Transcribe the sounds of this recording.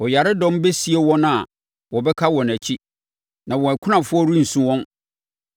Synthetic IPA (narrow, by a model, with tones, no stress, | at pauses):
ɔ˨ja˨ɾɪ˦dɔ̃˦mbe˦si˦e˦wɔ̃˦naa˨ | wɔ˨bɛ˦kʰa˦wɔ̃˨næ˨t͡ɕʰi˦ | nã˨wɔ̃˨æ˨kʰʊ˦nã˨fʊ˦ɔ˦ɾu˦n̩˨sũ˦wɔ̃˦n